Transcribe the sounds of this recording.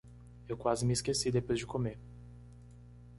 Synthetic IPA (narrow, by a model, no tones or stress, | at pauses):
ewkwazɪmɪiskesid̪epojzd͡ʒɪkome